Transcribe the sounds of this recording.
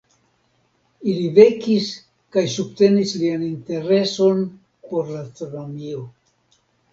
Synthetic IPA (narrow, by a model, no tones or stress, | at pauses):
ilive̞kis | kajsub̚te̞nislianinte̞ɾe̞so̞n | po̞ɾlastɾonomio